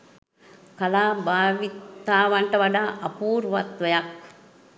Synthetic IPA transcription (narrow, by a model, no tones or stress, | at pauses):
kalaːbaːʋit̪aːʋaɳʈəʋaɖaːʔɐpuːɾʋat̪ʋəjak̚